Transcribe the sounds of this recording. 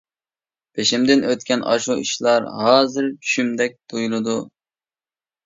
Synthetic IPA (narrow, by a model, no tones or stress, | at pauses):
pʰeʃimd̪ɪnøt̪̚kʲʰɛnʔɑʃuʔiʃlˠɑɾɦɑːzɨɾt͡ʃʰy̥ʃymd̪ɛk̚ʲd̪ujulˠɨd̪u